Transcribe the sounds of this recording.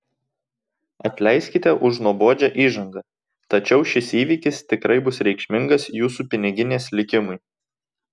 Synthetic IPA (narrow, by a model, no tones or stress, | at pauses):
ɐt̪ʲlʲɛɪsʲkʲɪt̪ʲɛʔʊʃnuɔboːd͡ʒʲæʔiːʒɐŋɡɐ | t̪ɐt͡ʃʲɛʊʃʲɪsiːʋʲiːkʲɪst̪ʲɪkɾɐɪbʊsɾʲɛɪkʃʲmʲɪŋɡɐsjuːsuːpʲɪnʲɪɡʲɪnʲeːslʲɪkʲɪmʊɪ